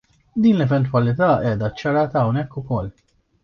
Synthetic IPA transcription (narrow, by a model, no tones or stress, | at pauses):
d̪iːnlɛvɛnt̪wɐlɪt̪ɐːʔɛːd̪ɐt͡ʃːɐɾɐːt̪ɐːwnɛkːʊkɔlː